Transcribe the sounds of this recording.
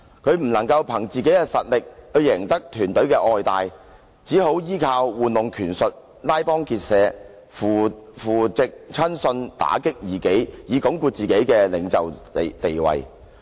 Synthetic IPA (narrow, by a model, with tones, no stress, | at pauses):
kʰɵ˨˧ɥm̩˨˩nɐ˨˩ŋkɐ˧wpʰɐ˨˩ŋt͡siː˨ke˨˥jkɛː˧sɐ˨t̚lɪ˨k̚hɵ˨˧ɥjɪ˨˩ŋt̪ɐ˥k̚t̪ʰyː˨˩nt̪ɵ˨˥ɥkɛː˧ʔɔː˨˧jt̪aː˨j | t͡siː˨˥ɦo˨˥wjiː˥kʰaː˧wːuː˨nlʊ˨ŋkʰyː˨˩nsɵ˨t̚ | laː˥jpɔː˥ŋkiː˧t̚sɛː˨˧ | fu˨fuː˨˩t͡sɪ˨k̚t͡sʰɐ˥nsɵ˧nt̪a̰ː˨˥kɪ˥k̚jiː˨˩ke˨˥jjiː˨˧kʊ˨˥ŋkuː˧t̚t͡siː˨ke˨˥jkɛː˧lɪ̰˨˥ŋt͡sɐ˨wt̪e˨jwɐ̰˨j